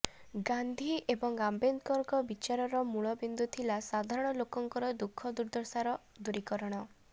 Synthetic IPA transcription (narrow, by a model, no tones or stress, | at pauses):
ɡand̪ʱiʔebɔŋɡambent̪kɔɾkɔbit͡ʃaɾɔɾɔmuɭɔbind̪ut̪ʰilasad̪ʱaɾɔɽ̃ɔlokɔŋkɔɾɔd̪ukʰːɔd̪uɾd̪ɔɾsaɾɔ | d̪uɾikɔɾɔɽ̃ɔ